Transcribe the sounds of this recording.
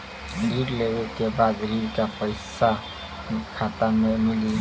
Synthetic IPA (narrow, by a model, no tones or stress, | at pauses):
ɾiɾlewekebad̪ɾiɾkapəɪsa | kʰat̪amemɪli